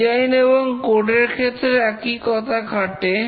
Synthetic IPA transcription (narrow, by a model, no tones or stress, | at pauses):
ajneboŋkoɾʈeɾkʰet̪ːɾeɛkikɔt̪ʰakʰaʈe